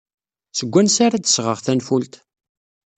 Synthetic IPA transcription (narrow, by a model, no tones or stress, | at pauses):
səɡʷːænsaɾad̪ə̥sʁəʁθænfult̪